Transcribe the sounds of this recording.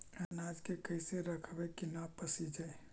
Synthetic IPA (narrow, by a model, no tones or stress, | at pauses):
ɐnaːd͡ʒkekɐɪseɾɐkʰʋekinapəsid͡ʒae